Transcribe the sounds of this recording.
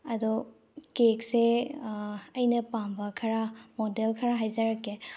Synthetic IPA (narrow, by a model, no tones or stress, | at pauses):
ɐdɔ | kekse | ɐjnɐpambɐkʰɐɾamodelkʰɐɾaɦajzɐɾɐkːe